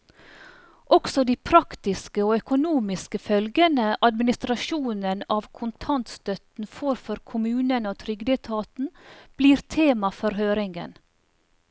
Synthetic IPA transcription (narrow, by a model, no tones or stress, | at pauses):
ʔɔksɔd̪iːpʰɾɑkt̪ɪskəoːœkʊnuːmɪskəfœlɡənəʔɑd̪mɪnɪst̪ɾɑʃuːnənɑːʋkʰʊnt̪ʰɑnt̪st̪œt̪n̩foːɾfɔɾkʰʊmʉːnənoːt̪ʰɾʏɡd̪ɛt̪ʰɑːt̪n̩b̥liːɾt̪ʰeːmɑfɔɾɦøːɾɪŋɡə̰n